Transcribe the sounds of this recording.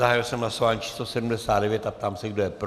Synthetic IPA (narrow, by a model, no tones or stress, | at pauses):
aɦaːjilsɛmɦlasovaːɲit͡ʃʰi̥slosɛdum̩dɛsaːd̪dɛvjɛt̪ap̚t̪aːmsɛɡdojɛp